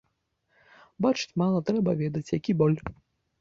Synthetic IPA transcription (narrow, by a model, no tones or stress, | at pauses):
bat͡ʂɨ̥t͡sʲmalˠɐt̪ɾɛbɐvʲɛd̪ɐt͡sʲjakʲibɔlʲ